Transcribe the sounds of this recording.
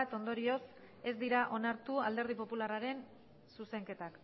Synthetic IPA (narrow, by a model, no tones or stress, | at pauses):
t̪o̞nd̪o̞ɾio̞s | e̞zd̪iɾaʔo̞naɾt̪uald̪e̞ɾð̞ipo̞pularaɾe̞n | suse̞ŋke̞t̪ak